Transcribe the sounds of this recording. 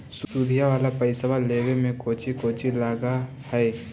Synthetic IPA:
ssuːd̪ʱijaʋaːlapəɪsʋaleːʋemẽkoːt͡ʃikoːt͡ʃilaːɡa | hɛː

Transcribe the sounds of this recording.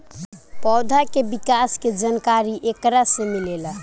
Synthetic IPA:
pɔd̪ʱakebikasked͡ʒənkaɾiʔekɾasẽmilelə

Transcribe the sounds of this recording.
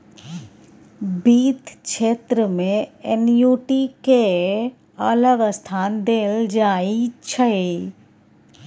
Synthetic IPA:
biːt̪kʃeːt̪ɾəmẽenjuːʈike | ələɡəst̪ʰaːnd̪eːld͡ʒaːit͡ʃʰəe

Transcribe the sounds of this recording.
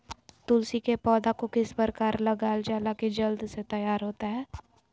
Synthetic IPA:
t̪ʊlsikepɔːd̪akokɪspəɾkaːɾlɐɡaːld͡ʒaːlakid͡ʒɐld̪set̪ɐjaːɾɦoːt̪aɦɛː

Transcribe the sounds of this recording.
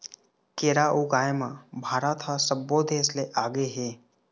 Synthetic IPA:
keːɾaːʔuɡaːjmãbʱaːɾat̪ʰasəbːoːd̪ʱeːsleʔaːɡeɦeː

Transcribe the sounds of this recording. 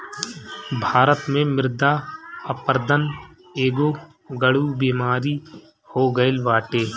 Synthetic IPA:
bʱaːɾət̪mẽmɪɾd̪aəpəɾd̪ən | eːɡoː | ɡəɽuːbiːmaːɾi | hoːɡəelʋaːʈeː

